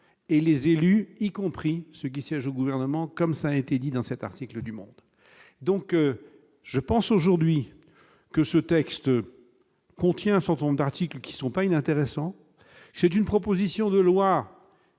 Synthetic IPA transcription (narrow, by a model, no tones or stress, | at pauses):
elezelyikɔ̃pχisək̬ʲisjɛʒoɡuvɛʁnəmɑ̃kɔmsaːet̪ed̪id̪ɑ̃sɛt̪a̰ʁt̪ikləd̪ymɔ̃d̪ | d̪ɔ̃kø | ʒ̥əpɑ̃soʒuʁd̪ɥi | kəsət̪ɛkst̪ | kɔ̃t̪jɛ̃ɛ̃sɛʁt̪ə̃nɔ̃md̪aʁt̪iklkʲi̥sɔ̃painɛ̃t̪eʁɛsɑ̃ | sɛt̪ynpχɔpozisjɔ̃d̪əlwa